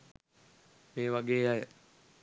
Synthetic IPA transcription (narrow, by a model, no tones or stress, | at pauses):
meːʋaɡeːajə